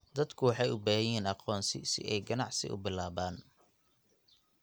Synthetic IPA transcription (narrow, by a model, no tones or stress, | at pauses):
d̪ɐd̪kʰʊwɑħɑjʊbaːjɛːnɑqɔːnsɪ̰sɪ̰ʔɛjɡɐnɑʕsɪ̰ʔʊ̰bɪlaːβaːn